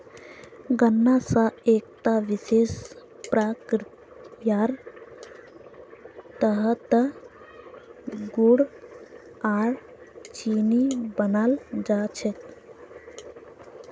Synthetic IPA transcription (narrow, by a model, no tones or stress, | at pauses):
ɡənːasãeːk̚t̪aʋiseːspɾakɾ | jaːɾ | t̪əɦət̪ə | ɡuɽ | aːɾ | t͡ʃiːnibənald͡ʒaːt͡ʃʰet̪